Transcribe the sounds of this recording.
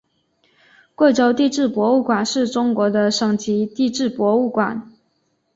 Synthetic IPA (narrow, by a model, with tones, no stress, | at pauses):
kwe˥˩ɪʈ͡ʂo˧˥ʊt̪i˥˧ʈ͡ʂɻ̩˥˩pwɔ˧˥u˥˩kwa˨˩nʂɻ̩˥˩ʈ͡ʂʊ˥ŋkwɔ˧˥d̪ə˧ʂɤ˨˩ŋt͡ɕi˧˥t̪i˥˧ʈ͡ʂɻ̩˥˩pwɔ˧˥u˥˩kwa˨˩˦n